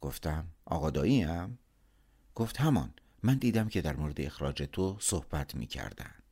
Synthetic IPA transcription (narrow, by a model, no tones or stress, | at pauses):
ɡ̥oft̪æmʔɒ̰ːɣɒːd̪ɒːiːæm | ɡ̥oft̪hæmɒ̰ːn | mænd̪iːd̪æmcʰe̞d̪æɾmoːɾe̞d̪eexɾɒ̰ːd͡ʒe̞t̪ʰosohb̥æt̪ʰmḭːcʰæ̰ɾd̪æ̰nd̪̥